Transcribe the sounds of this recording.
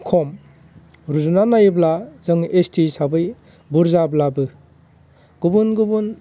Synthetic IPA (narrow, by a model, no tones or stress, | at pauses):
kʰɔm | ɾuzunanajblazɯŋestʰisabɯj | buɾzablabɯ | ɡ̥ubunɡubun